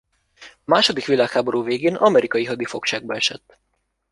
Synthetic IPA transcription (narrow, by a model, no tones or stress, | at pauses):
maːʃo̞d̪ikʋilaːkhaːbo̞ɾuːveːɡeːnɒmɛɾʔikɒjiɦɒd̪ifo̞kʃaːɡ̚bɒɛʃɛ̰t̪ː